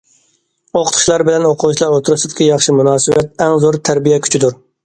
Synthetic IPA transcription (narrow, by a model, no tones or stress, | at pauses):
oqʰə̥t̪ʰʊ̥ʃlˠɑɾbɪlɛnoqʰʊʁˠuʃlˠɑɾot̪ʰɾɨsɪd̪ɪ̥kʲijɑχʃimunɑːsɨwɛt̪̚ɛŋzoɾt̪ʰæɾbijɛkʲʰy̥t͡ʃʰɪd̪uɾ